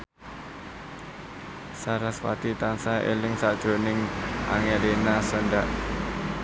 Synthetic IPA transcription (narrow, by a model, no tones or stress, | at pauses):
saɾaswa̰t̪it̪ansaʔḛlɪŋsaʔd̥ʒ̥o̤nɪŋʔa̰ŋelenasənɖaʔ